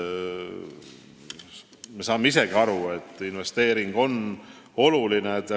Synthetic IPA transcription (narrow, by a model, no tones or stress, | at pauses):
me̞sɑːmːeis̬e̞ɡ̥iɑɾue̞t̪ːˑinve̞st̪e̞ːɾiŋɡ̥o̞n | o̞lulinet̪ːɑ